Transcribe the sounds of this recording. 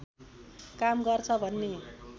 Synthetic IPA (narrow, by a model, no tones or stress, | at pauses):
kamɡʌrt͡sʰʌbʱʌnːe